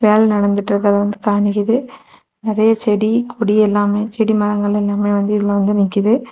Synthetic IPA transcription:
ʋeːlnɐɽɐnd̪ɯʈːɾɯkːɐðɐʋɐnd̪ɯkaːɳɪkɪðɯ | nɪɾɐjɐt͡ʃɛɽikʰɔɽiɛlːaːmeːt͡ʃɛɽimɐɾɐŋɡɐɭɛlːaːmeːʋɐnd̪ɯɪðɪlɐʋɐnd̪ɯnɪŋkːɪðɯ

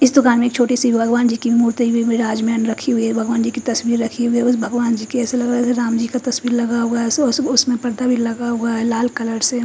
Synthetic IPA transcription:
ɪsd̪ʊkaːnmẽeːk̚t͡ʃʰoːʈisibʱibʱɐɡʋaːnd͡ʒiːkimuːɾt̪ibʱieɾaːd͡ʒmɛnɾɐkʰiɦʊiɦɛbʱɐɡʋaːnd͡ʒiːkit̪ɐswiːɾːɐkʰiɦʊiɦɛʊsbʱɐɡʋaːnd͡ʒiːkiɛːselɐɡɾaɛseɾaːmd͡ʒiːkat̪ɐswiːɾlɐɡaɦoaɦssʊsmẽpɐɾd̪abʱilɐɡaɦoaɦɛlaːlkɐləɾse

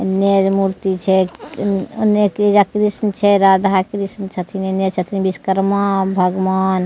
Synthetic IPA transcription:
ned͡ʒmuɾt̪it͡ʃʰɛ | neked͡ʒakɾisnt͡ʃʰɛɾad̪ʱakɾisnt͡ʃʰət̪ʰinined͡ʒt͡ʃʰət̪ʰinbiskəɾmabʱəɡʋan

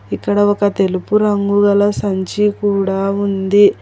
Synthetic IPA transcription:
ikːɐɽɐɔkɐt̪e̞lupuɾɐŋɡuɡɐlɐsɐɲt͡ʃikuːɽaːund̪i

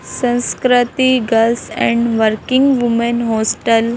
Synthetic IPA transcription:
sə̃w̃skɾət̪iɡəlsɛ̰̃ɳɖʋəɾkiŋɡʋumənɦosʈəl

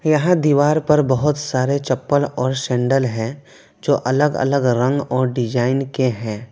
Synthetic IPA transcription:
jɐɦãd̪iːʋaːɾpɐɾbəɦʊt̪saːɾet͡ʃɐpːəlɔːɾʃɛ̃ːɳɖəlɦɛ̃ː | d͡ʒoːʔɐləɡə̰ləɡɾə̃ŋɡɔːɾɖɪd͡ʒaːɪnkeɦɛ̃ː

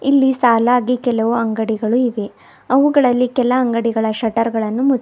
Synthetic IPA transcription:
ilːisaːlaːɡikɛlɐʋuɐŋɡɐɽiɡɐɭuiʋe̞ | ɐʋuɡɐɭɐlːikɛlɐɐŋɡɐɽiɡɐɭɐʃɐʈɐɾɡɐɭɐnːumu

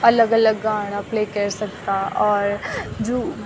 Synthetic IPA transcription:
ɐləɡɐləɡːaːɽ̃apleːkɐɾsɐk̚t̪aʔɔːɾd͡ʒoː

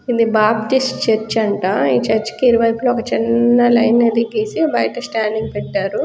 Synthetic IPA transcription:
id̪ibaːpʈisʈt͡ʃɐɾt͡ʃːɐɳʈaːiːt͡ʃɐɾt͡ʃkiiɾuʋɐjploːɔkɐt͡ʃinːɐlɐjnːɐd̪iɡeːsibɐjʈɐsʈaːɳɖiŋɡpɛʈːaːɾu

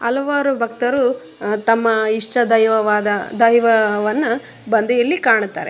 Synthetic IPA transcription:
ɐlɐʋaːɾubʱɐk̚t̪ɐɾu | t̪ɐmːɐiʂt͡ʃɐd̪ɐjʋɐʋaːd̪ɐd̪ɐjʋɐʋɐnːɐ | bɐnd̪ɐjɐlːikaːɳut̪ːa̰ːɾe

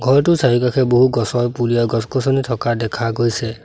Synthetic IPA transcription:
ɡʱɔɹtʊsaɹikakʰɛboɦuɡɔsɔjpulijaɡɔskɔsɔnitʰɔkadɛkʰaɡojsɛ

